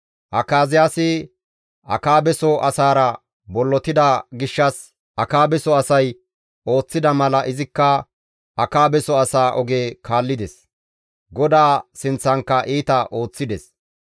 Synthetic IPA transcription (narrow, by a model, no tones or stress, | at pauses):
ʔɐkaːzɪjaːsɪ | ɐ̰kaːbɛsɔʔɐsaːɾɐ | bɔlːɔt̪ɪd̪ɐɡɪʃːɐs | ʔɐkaːbɛsɔɐsɐj | o̞ːt͡sːɪd̪ɐmɐlɐʔɪzɪkːɐ | ɐkaːbɛsɔɐsaːʔɔɡeːkʰaːlːɪd̪ɛs | ɡɔd̪aːsɪnt͡sːɐŋkːɐʔiːt̪ɐʔo̞ːt͡sːɪd̪ɛs